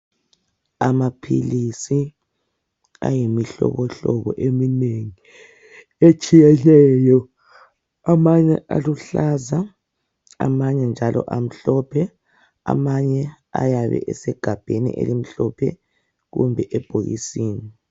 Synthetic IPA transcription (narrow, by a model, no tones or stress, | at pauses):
amapʰilisi | ajimiɬɔ̰βɔɬɔβɔʔemineŋi | et͡ʃʼijɛlɛjɔ | amaɲɛʔa̰luɬaza | a̰maɲɛnd͡ʒʱalʔɔ̰ʔam̩ɬɔpʰɛ | a̰maɲɛ | a̰jaβɛ̰ʔɛsɛɡ̥ʱab̥ʱenḭʔḛlim̩ɬɔpʰɛ̰ | ɣṵmbʱɛʔɛb̥ʱoɣḭsiːni